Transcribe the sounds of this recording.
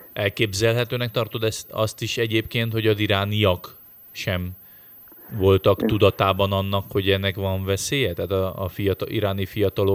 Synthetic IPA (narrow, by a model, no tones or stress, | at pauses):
ʔɛlkeːbzɛlɦɛt̪øːnɛk̚t̪ɒrt̪o̞d̪ɛsɒst̪iʃɛɟeːp̚keːnt̪ho̞ɟɒziɾaːnijɒk | ʃɛm | vo̞lt̪ɒkt̪ud̪ɒt̪aːbɒnɒnːɒkho̞ɟɛnːɛkʋɒɱvɛseːjɛt̪ɛːt̪ɒ̰fijɒt̪iɾaːnifijɒt̪ɒlo